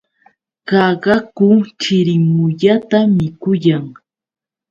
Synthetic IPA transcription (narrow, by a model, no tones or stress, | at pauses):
ɢɑɢɑkʊt͡ʃɪɾɪmʊʎat̪amɪkʊjaŋ